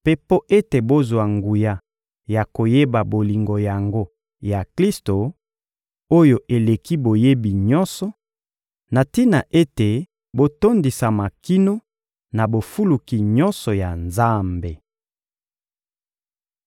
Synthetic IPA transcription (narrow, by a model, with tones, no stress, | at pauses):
pe˦po˦ʔe˦te˨bo˦zwa˨ŋɡu˨ja˨ | ja˨ko˨je˦ba˨bo˨li˨ŋɡo˨ja˨ŋɡo˦ | ja˨kli˦sto˨ | o˦jo˨ʔe˨le˨ki˦bo˨je˦bi˨ɲɔ˦nsɔ˨ | na˨ti˦na˨ʔe˦te˨ | bo˦to˦ndi˨sa˨ma˨ki˦no˦ | na˨bo˨fu˦lu˨ki˨ɲɔ˦nsɔ˨ja˨nza˦mbe˨